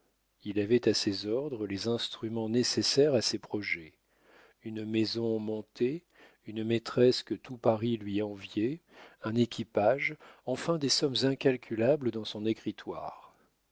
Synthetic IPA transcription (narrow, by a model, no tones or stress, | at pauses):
ilavɛt̪asezɔʁd̪ʁəlezɛ̃st̪χymɑ̃nesesɛʁasepχɔʒɛ | ynmezɔ̃mɔ̃t̪e | ynmet̪χɛskət̪upaʁilɥiɑ̃vjɛɛ̃nekʲipaʒɑ̃fɛ̃d̪esɔmzɛ̃kʲalkʲʰylabld̪ɑ̃sɔ̃nekχit̪wa̰ːʁ